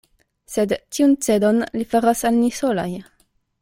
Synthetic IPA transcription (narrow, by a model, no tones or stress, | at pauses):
sedtiunt͡se̞donlifaɾasalnisolaj